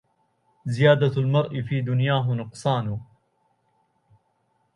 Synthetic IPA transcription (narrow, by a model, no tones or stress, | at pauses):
zɪjaːd̪almɑɾˤʔɪfiːd̪ʊnjaːɦʊnʊqsˤɑːnʊ